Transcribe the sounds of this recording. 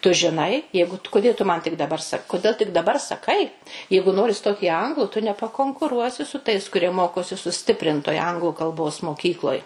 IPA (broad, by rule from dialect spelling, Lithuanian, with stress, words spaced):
tʊ ʒʲɪˈnɐɪ ˈjɛɪɡʊ tʊ kʊˈdʲeː tʊ ˈmɐn tʲɪk dɐˈbɐr ˈsɐk kʊˈdʲeːlˠ tʲɪk dɐˈbɐr sɐˈkɐɪ ˈjɛɪɡʊ ˈnoːrʲɪ ˈstoːt iː ˈɐŋɡlˠʊ tʊ nʲɛpɐkoːŋkʊˈruɔsʲɪ sʊ tɐɪs kʊˈrʲiɛ ˈmoːkoːsʲɪ sʊˈsʲtʲɪpʲrʲɪntoːj ˈɐŋɡlˠʊ kɐlˠˈboːs moːˈkʲiːklˠoːj